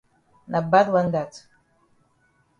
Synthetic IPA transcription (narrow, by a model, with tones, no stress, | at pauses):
na˨ba˦twa˦nda˨t